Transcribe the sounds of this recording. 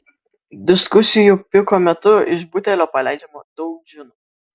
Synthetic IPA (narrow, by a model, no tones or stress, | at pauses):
d̪ʲɪskʊsʲɪjupʲɪkoːmʲɛt̪ʊɪʃbʊt̪ʲɛlʲoːpɐlʲæˑɪd͡ʒʲɛmod̪̥ɔʊk̚ʒʲɪnuː